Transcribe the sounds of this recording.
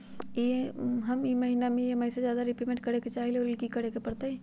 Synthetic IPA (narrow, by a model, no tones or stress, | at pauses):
jeɦɐmjmɐɦiːnamẽjemɛːsezjaːd̪aɾɪpimẽɳʈkɐɾeket͡ʃaːɦileoɾɪlkikɐɾekepɐɽt̪aɦɛ